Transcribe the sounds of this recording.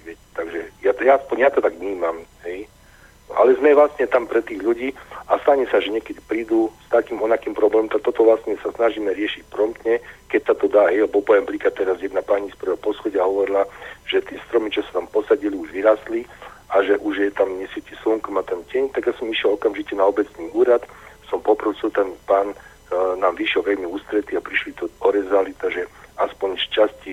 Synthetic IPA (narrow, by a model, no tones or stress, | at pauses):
ʋɪɛcɛ̥t̪aɡʒɛjajaaspɔɲjat̪ɔt̪aɡʋɲiːmamɦɛj | a̰lɛzmɛʋlast̪ɲɛt̪ampɾɛt̪iːɣʎuɟiːast̪aɲɛsaʒɛɲɛkɛd̪ipɾiːd̪ust̪akiːmɔnakiːmpɾɔblɛːmɔmt̪ak̚t̪ɔt̪ɔʋlasɲɛsasnaʒiːmɛɾɪɛʃic̚pɾɔmt̪ɲɛkɛc̚sat̪ɔd̪aːɦɛjalɛbɔpɔjɛmpɾiːkat̪t̪ːɛɾazjɛd̪napaːɲispr̩ʋɛɦɔpɔsxɔɟɛaɦɔʋɔɾilaʒ̥ɛt̪ɪɛst̪ɾɔmit͡ʃɔsḁt̪ampɔsaɟiliuʒʋiɾasliaʒɛʔuʒjɛt̪amɲɛsjɛcisuŋkɔmat̪ɛncɛɲt̪aɡjasɔmiʃjɛlɔkamʒicɛnaɔbɛt͡sniːuːɾat̪sɔmpɔpɾɔsilt̪ɛnpaːn | naːmʋiʃjɛlʋɛlmiuːst̪ɾɛt̪iapɾiʃlit̪ɔɔɾɛzalit̪aʒɛaspɔɲʃcasci